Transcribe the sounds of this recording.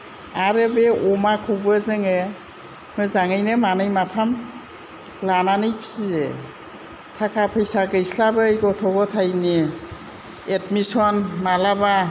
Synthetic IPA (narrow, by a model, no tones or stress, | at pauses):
aɾɯbeʔɔmakʰubɯzɯŋɯ | mɯzaŋɯjnɯmanɯjmatʰam | lananɯjpʰi̥size | tʰakʰapʰɯjsaɡɯjslabɯjɡɔtʰɔɡɔtʰajni | etmisɔnmalaba